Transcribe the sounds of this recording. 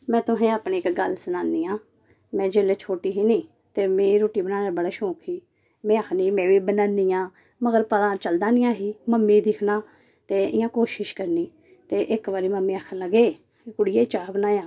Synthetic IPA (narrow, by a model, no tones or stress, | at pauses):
mɛ̃ːt̪ʊɦɛ̃ːaːpneːɪkɡəlsənaːnːiːãː | mɛ̃ːd͡ʒeːleːt͡ʃʰoːʈiːɦiːnĩː | t̪eːmeːiɾoːʈiːbənãːnaːbəɽaːʃõːkʰiː | mɛ̃ːəkʰniːmɛ̃ːʋiːbənaːniːjãː | məɡəɾpəd̪ãːt͡ʃəld̪ãːnɪ̃jãːɦiːməmːiːd̪ɪkʰnaː | t̪eːɪjãːkoːʃɪʃkəɾniː | t̪eːʔɪkʋaːɾiːməmːĩːakʰənləɡeː | kʊɽijeːit͡ʃaːbənaːjãː